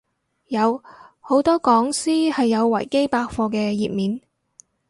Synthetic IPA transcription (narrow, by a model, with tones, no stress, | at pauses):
jɐ˨˧who˨˥wt̪ɔː˥kɔː˨˥ŋsiː˥hɐ˨jːɐ˨˧wwɐ̰˨˩jke˥jpaː˧k̚fɔː˧kɛː˧jiː˨p̚miː˨˧n